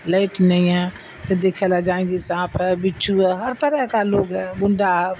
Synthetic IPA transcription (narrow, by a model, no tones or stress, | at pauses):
ləɪʈnəĩã | t̪ɐd̪eːkʰelad͡ʒaːĩːɡ̪isãːpʰɛbɪt͡ʃʰuɛɦɐɾt̪əɾɛɦkaloːɡɛɡʊɳɖʱaɦ